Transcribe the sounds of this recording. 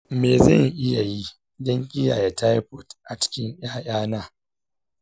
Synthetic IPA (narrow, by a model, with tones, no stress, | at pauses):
meː˨zɐ̰˦˨ŋʔɪ˦ja˨ji˦ | dɐ˦ŋkʲʼɪ˦ja̰ː˨jɛ˦ta˦jɸʊ˦˨tʔa˨t͡ʃɪ̥˦kʲɪ˦ŋj̰aː˦j̰aː˦naː˦˨